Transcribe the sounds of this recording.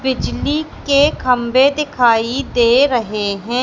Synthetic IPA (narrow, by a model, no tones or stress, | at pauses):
bɪd͡ʒlikekʰɐmbed̪ɪkʰaːid̪eːɾəɦeɦɛ̃ː